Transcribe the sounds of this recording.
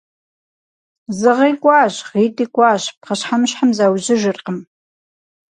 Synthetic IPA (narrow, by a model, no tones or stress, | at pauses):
zɨʁiːkʷʼɑːɕʁiːtʼiːkʷʼɑːɕpqɐɕħamɕħamzaːwʑɪʒɪrqəm